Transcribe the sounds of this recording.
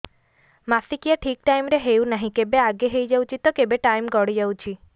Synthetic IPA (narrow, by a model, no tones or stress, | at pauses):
masikijaʈʰik̚ʈajmɾeɦeunaɦĩkebeaɡeɦejd͡ʒawt͡ʃʰit̪ɔkebeʈajmɡɔɽid͡ʒawt͡ʃʰi